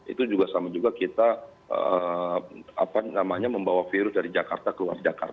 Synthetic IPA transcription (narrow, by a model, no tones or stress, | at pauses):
ḭt̪ud͡ʒuɡasamad͡ʒuɡakit̪a | ə | a̰panamaɲaməmbawafiɾʊsdaɾid͡ʒakart̪akəlua̰rd͡ʒaka̰rt̪a